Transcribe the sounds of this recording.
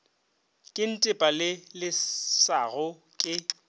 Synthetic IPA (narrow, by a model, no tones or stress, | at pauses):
kʼɪn̩tʼɪpʼalɪlɪsaɣʊ | kʼɪ